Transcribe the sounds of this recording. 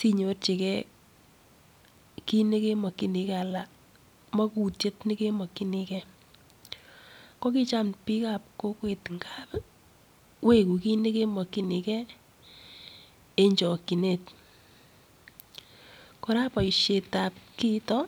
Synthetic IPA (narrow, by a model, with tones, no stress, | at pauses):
si˦ɲo˨˦rt͡ʃe˨kɛ˦ | ki˦ne˦ke˦mɔ˨ki˦ni˨kɛ˦a˨la˨ | mɔ˦ku˨tje˦tni˦ke˦mɔ˨ki˦ni˦kɛ˦ | ko˦ki˦t͡ʃa˦mpi˦ka˨p̚ko˦kwe˨tŋɡa˦p | we˦ku˨ki˦ne˦ke˦mɔ˨ki˦ni˨kɛ˦ | e˦ɲt͡ʃɔ˨ki˨ne˦˨t | ko˦ɾa˦pɔ˨ʃe˨ta˨p̚ki˦tɔ˦